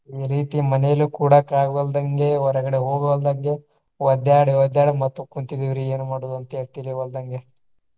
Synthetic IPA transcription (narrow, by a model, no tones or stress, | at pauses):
iːɾiːt̪imɐnejɐlukuːɽɐkaːɡuʋɐld̪ɐŋɡe̞ɔɾɐɡɐɽeɦoːɡɐʋɐld̪ɐŋɡe̞ | ʋɐd̪jaːɽiʋɐd̪jaːɽimɐt̪ːukunt̪id̪iʋɾie̞ːnumaːɽud̪uɐnt̪eːɭt̪iliʋɐld̪ɐŋɡe